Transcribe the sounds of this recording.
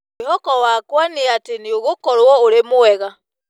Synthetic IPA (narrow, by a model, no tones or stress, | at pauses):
hɔkɔwakwaniatenioɣokɔɾwɔoɾemoɛɣa